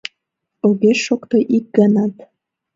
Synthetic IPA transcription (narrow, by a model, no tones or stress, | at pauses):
oɣeʃokt̪oʔik̚ɡənɑt̪